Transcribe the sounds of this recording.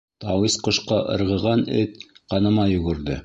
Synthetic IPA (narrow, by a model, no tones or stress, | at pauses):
t̪ɑwisqŏʃqɑʔɤ̰̆ɾʁɤ̆ʁɑnɘt̪qɑnɤ̆mɑjɵ̆ɡɵ̆ɾðɘ